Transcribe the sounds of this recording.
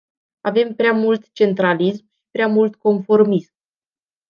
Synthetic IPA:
ave̞mpɾeamult̪t͡ʃe̞nt̪ɾalismʃi̥pɾeamult̪ko̞nfo̞rmism

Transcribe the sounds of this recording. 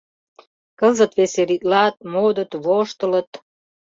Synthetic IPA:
kəzə̆t̪βeseɾit̪lɑt̪̚mod̪ə̆t̪βoʃt̪ə̆lə̆t̪

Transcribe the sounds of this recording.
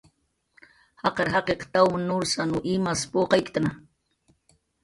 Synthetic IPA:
hɑqɑɾɦɑqeqt̪awmɪnʊɾsanʊʔimaspoqɑjkt̪ana

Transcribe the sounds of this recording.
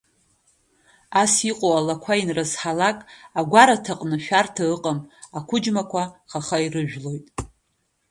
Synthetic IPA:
asiqʼowalakʷʰainrɨzħalakʼaɡʷaɾatʰaqʼnɨʃᶣartʰaɨqʼəmakʷʰʊd͡ʒmakʷʰaχaχairɨʒᶣlo̞jtʼ

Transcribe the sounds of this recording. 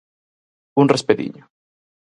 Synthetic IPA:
unrespeðḭɲo

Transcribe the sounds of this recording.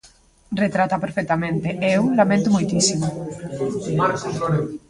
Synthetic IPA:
ret̪ɾat̪apeɾfek̚t̪amẽnt̪eʔeulamẽnt̪omojt̪isimu | aɾooɾe

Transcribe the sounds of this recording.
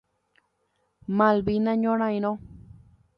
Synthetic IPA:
mãlbinãɲõɾ̃ãjnõ

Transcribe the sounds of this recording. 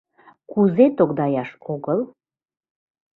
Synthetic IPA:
kuzet̪oɡd̪ɑjɑʃoɣəl

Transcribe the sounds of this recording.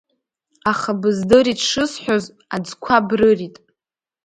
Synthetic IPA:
aχabɨzdɨɾitʰʂɨsħʷᶣoz | ad͡zkʷʰabrɨritʼ

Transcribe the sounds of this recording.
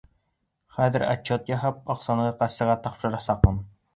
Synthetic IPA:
χæðɘɾɑ̰t͡ɕːot̪jɑɦɑp̚ɑqsɑnɤqæsɘ̆ʁɑt̪ɑpʃɤ̆ɾɑsɑq̚mɤn

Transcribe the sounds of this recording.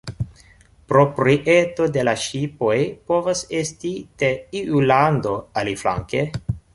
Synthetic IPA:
pɾo̞pɾiʔeto̞de̞laʃipo̞jpo̞vasestiteiʔulando̞alifla̰ŋke

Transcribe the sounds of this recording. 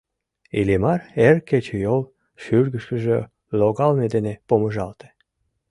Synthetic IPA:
ilemɑrerket͡ɕejol | ʃyrɣəʃkəʒø | loɣɑlmed̪enepoməʒɑlt̪e̥

